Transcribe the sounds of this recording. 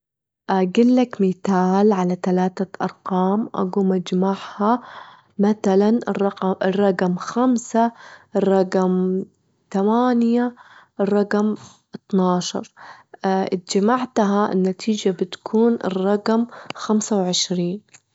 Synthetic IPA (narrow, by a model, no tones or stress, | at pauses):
ʔaɡɪlːakmiːt̪aːlʕalat̪alaːt̪aʔɑ̰ɾˤqɑːmʔa̰ɡuːmad͡ʒmaʕha | maθalanrˤɑɪrˤːɑqmxamsarˤːɑqm | t̪amaːnjarˤːɑqm | ʔɪt̪nɑːʃɑ̰ɾˤ | ʔɪt̪̚d͡ʒamaʕt̪ɦaʔɪ̰nːat̪ʰiːd͡ʒabɪt̪kʰuːnɪ̰rˤːɑqmxamsawʕɪʃɾiːn